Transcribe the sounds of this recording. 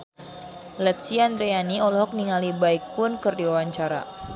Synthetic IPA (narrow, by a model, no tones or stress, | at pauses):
lɛt̪siand̪ɾeaniɔlɔɦɔk̚niŋalibaik̚ʊnkərdiwawaɲt͡ʃaɾa̰